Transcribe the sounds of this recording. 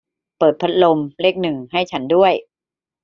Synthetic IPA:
pɤː˨˩t̪̚pʰa˦˥t̪̚lo˧mle˥˩k̚nɯ˨˩ŋha˥˩jt͡ɕʰa˦˥ndu˥˩əj

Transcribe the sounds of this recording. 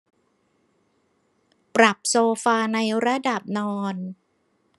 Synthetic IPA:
pɾa˨˩p̚soː˧faː˧na˧jɾa˧˥da˨˩p̚nɔː˧n

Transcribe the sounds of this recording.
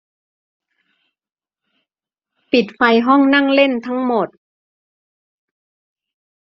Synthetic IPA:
pi˨˩t̪̚fa˧jɦɔ˥˩ŋna˥˩˨ŋle˥˩nt̪ʰa˦˥ŋmo˨˩t̪̚

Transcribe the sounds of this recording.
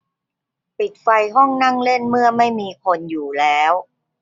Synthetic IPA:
pi˨˩t̪̚fa˧jɦɔ˥˩ŋna˥˩ŋle˥˩nmɯ˥˩ɐma˥˩jmiː˧kʰo˧njuː˨˩lɛː˦˥w

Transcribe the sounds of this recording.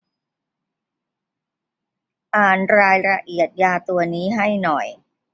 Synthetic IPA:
ʔaː˨˩nɾaː˧jɾa˧ʔi˨˩ət̪̚jaː˧t̪u˧ɐniː˦˥ɦa˥˩jnɔ˨˩j

